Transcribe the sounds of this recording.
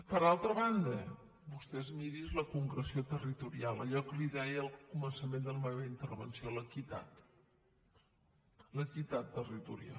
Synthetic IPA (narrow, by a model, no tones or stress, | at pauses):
pəɾalˠt̪ɾəβand̪ə | bust̪ɛzmiɾizləkuŋɡɾəsiot̪ərit̪uɾialˠəʎɔkəliðɛjəːlˠkumənsəmend̪əlmɛβəint̪ərβənsioləkit̪a̰t̪ | ləkit̪at̪ːərit̪uɾia̰